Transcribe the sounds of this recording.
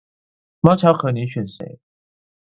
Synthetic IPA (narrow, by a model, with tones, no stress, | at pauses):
ma˥t͡sʰɑ˧˥ʊxʰɤ˧˥˦ni˧˥ɕɥɛ˨˩nsḛ˧˦ɪ